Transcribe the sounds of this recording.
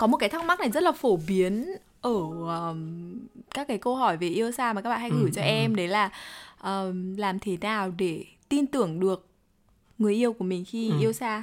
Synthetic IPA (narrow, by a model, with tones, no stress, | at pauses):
kɔ˨˦mo˨˩t̚kaː˨˦t̪ʰa˦˥k̚m˦˥k̚na˨˩jzə˦˥t̚laː˨˩fo˧˩ɓi˨˦ən | ʔəː˧˩˨ | kaː˦˥kːaː˨˦jkə˧wɦɔ˧˩jve˨˩ʔi˧əwsaː˧ma˨˩kaː˦˥ɓa̰ː˧˨ha˧ŋɣɨ˧˩t͡ɕɔ˧ʔɛ˧mɗə˨˦laː˨˩ʔəː˨˩laː˨˩mt̪ʰe˨˦naː˨˩wɗe˧˩ | t̪i˧nt̪ɨ˧˩əŋɗɨ˨˩ək̚ | ŋɨ˨˩əjʔi˧əwku˧˩əmï˨˩ŋ̟xi˧ʔi˧əwsaː˧